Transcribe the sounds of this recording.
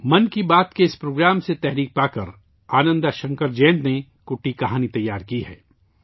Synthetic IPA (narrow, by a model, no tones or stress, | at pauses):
mɐnkibaːt̪keɪspɾoːɡɾaːmset̪ɛɦɾiːk̚paːkɐɾ | aːnə̃nd̪aʃɐ̃ŋkəɾd͡ʒɛ̃ːnd̪ne | kʊʈːikɐɦaːnit̪ɐjːaːɾkiɦɛ̰ː